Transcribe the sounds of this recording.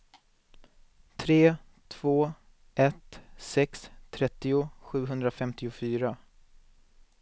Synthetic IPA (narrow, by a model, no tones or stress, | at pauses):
t̪ʰɾeː | t̪ʰv̥oː | ʔɛt̪sɛkst̪ʰɾɛt̪ːɪʊɧʉ̟ːɦɵnd̪ɾafɛmt̪ɪʊfyːɾa